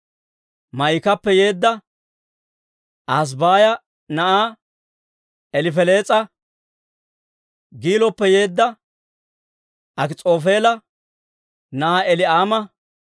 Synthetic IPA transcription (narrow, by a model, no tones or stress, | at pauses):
mɐjkɐpːɛje̞ːd̪ːɐ | ʔas̬baːjɐ | nɐʔaː | ɛlɪfɛle̞ːt͡sʼɐ | ɡiːlɔpːɛje̞ːd̪ːɐ | ʔɐkɪt͡sʼo̞ːfe̞ːlɐ | nɐʔaːɛlɪaːmɐ